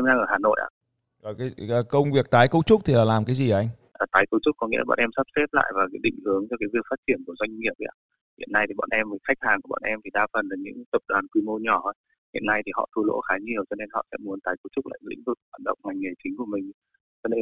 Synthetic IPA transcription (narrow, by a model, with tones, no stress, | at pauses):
ɛ˧mna˧ŋʔəː˧˩haː˨˩no̰˧˨jʔa̰ː˧˨ | aː˨˩kaː˨˦˨kə˧wŋ͡mvi˨˩ək̚t̪aː˨˦jkə˧˦w̚t͡ɕʊ˦˥k͡p̚t̪ʰi˨laː˨˩laː˨˩mkaː˨˦jzi˨˩ʔa˧jŋ̟ʔːt̪aː˨˦jkə˧wt͡ɕʊ˦˥k͡p̚kɔ˨˦ŋḭ˧˥lːɓa̰ː˧˨nʔɛ˧msa˦˥p̚sɛ˦˥p̚la̰ː˧˨jvaː˨˩kaː˨˦ɗḭ̈˧˨ŋ̟hɨ˨˦əŋt͡ɕɔ˧kaː˨˦jvi˨˩əfa˦˥t̚t͡ɕi˧˩ənku˧˩əzwa˧jŋ̟ŋi˨˩əp̚ʔa̰ː˧˩ | hḭ˧˨ənːa˧jt̪i˨˩ɓa̰ː˧˨nʔɛ˧mvəː˨˦jxa˦˥k̚haː˨˩ŋku˧˩˨ɓa̰ː˨nʔɛ˧mt̪ʰi˨˩ɗaː˧fə˨˩nlaː˨˩ɲɨ̰˧˥ŋt̪ə˨˩p̚ɗwaː˨˩nkwi˧mo˧ɲɔ˧˩ə˨˦j | hḭ˧˨ənːa˧jt̪ʰi˨˩hɔ̰˧˨t̪ʰu˧lo̰˧˥xaː˨˦ɲi˨˩əwt͡ɕɔ˧ne˧nhɔ̰˧˨sɛ̰˧˥mu˨˦ənt̪aː˨˦jkə˧˦wt͡ɕʊ˦˥k͡p̚la̰ː˧˨˧lḭ˧˥ŋ̟vɨ˨˩k̚waː˧˨˩nɗə̰˧˨wŋ͡mŋa˨˩jŋ̟ŋe˨˩jt͡ɕï˨˦ŋ̟ku˧˩əmï˨˩ŋ̟ | t͡ɕɔ˧ne˧